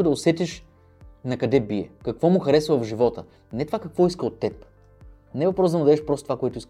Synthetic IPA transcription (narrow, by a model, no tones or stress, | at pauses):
ʊd̪ɐosɛt̪ʲɛʃ | nɐkɐd̪ɛbiɛ̰kɐkvɔmʊxɐɾɛsvəəvʒivɔt̪ə | nɛt̪ovakɐkvɔiskəot̪ːɛp | nɛɛvɐpɾɔsd̪ɐmuʊd̪ɐɛʃpɾɔst̪t̪ovakoɛt̪ʊisk